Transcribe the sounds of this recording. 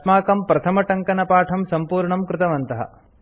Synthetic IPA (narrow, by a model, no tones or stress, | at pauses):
t̪maːkɐmpɾɐt̪ʰɐmɐʈɐŋkɐnɐpaːʈʰɐmsɐmpuːɾɳɐmkɾɪt̪ɐʋɐnt̪ɐɦɐ̰